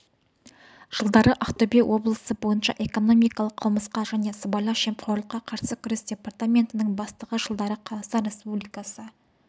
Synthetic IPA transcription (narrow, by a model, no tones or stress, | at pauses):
ʒ̥əlˠd̪ɑɾəʔaqt̪obewʔo̞blˠəsəbo̞jənʃɑ̰ʔe̞ko̞no̞mijkɑlˠəqːʰəlˠməsqɑʒæne̞səbɑjlˠɑʃe̞mpχʰoɾlˠəqːɑqʰɑɾsəkʲʰʏɾɪsd̪ʲe̞part̪amʲe̞nt̪ɪnɪŋbɑst̪əʁəʒəlˠd̪ɑɾəqʰɑlˠɑsəɾʲe̞spublijkɑsə